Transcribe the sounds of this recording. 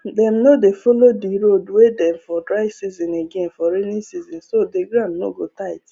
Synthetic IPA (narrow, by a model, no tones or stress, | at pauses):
dɛ̃mnodefɔlodiɾodwedɛ̃mfɔdɹaɪsizɔ̃neɡɛ̃nfɔɾenĩnsizɔ̃nsodeɡɹãnno̰ɡotaɪt